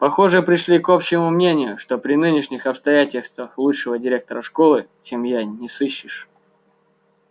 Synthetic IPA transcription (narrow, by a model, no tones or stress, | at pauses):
pɐxo̞ʐɨpɾʲɪʂlʲiko̞pɕːɪɪmʊmnʲenʲɪjʊʂt̪o̞pɾʲɪnɨnʲɪʂnʲɪxɐpst̪ɐjætʲɪlʲst̪vəxlˠuʂɨvədʲɪɾʲe̞k̚t̪əɾəʂko̞lˠɨt͡ɕemjanʲɪsɨɕːɪʂ